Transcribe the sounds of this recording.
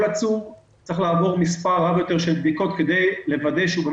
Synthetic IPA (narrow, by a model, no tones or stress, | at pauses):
lat͡suv | t͡sʁiχlaːvo̞ʁmispaʁavjo̞t̪e̞ʁʃelbd̪iko̞t̪ke̞d̪e̞jlevad̪eʃubem